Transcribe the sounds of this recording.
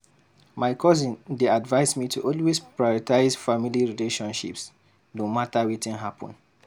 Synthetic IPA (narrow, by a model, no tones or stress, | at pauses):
maɪkʰɔzĩndeadvaɪsmitʰuʔɔlwespɹajɔɹitaɪzfamiliɹileʃɔ̃nʃḭps | dõmatawitĩnɦapʰɔ̰̃n